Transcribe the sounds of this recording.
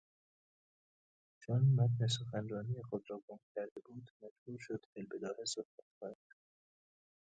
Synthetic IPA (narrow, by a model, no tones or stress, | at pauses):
t͡ʃʰonːæd̪nes̬oxænrɒːnijexod̪ɾɒːɡomcʲʰæɾd̪ebuːd̪mæd͡ʒbuːɾʃod̪̥ʔelbed̪ɒːhesohb̥æt̪̚xɑːnæd̪̥